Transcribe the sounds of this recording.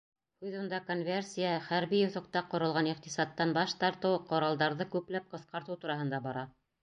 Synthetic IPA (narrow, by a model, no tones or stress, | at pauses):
hʉðŭnd̪ɑkonvʲersʲijəχæɾβijŏθŏq̚t̪ɑqːŏɾɤlˠʁɑniq̚t̪isɑt̪ːɑnbɑʃt̪ɑɾt̪ɤwqŏɾɑlˠd̪ɑɾðɤkʉplæp̚qɤ̆θqɑɾt̪ɤwt̪uɾɑhɤ̆nd̪ɑbɑɾɑ